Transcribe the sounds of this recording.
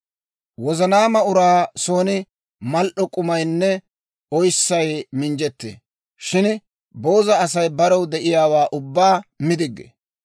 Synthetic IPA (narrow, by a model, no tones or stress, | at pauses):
wɔzɐnaːmɐʊɾaːsoːnɪ | mɐlʔɔkʼʊmɐjnːɛ | ɔjsːɐjmɪnd͡ʒɛt̪ːḛː | ʃɪn | bo̞ːzɐːsɐjbɐɾɔwd̪ɛʔɪjaːwaːʔʊbːaːmɪd̪ɪɡːḛ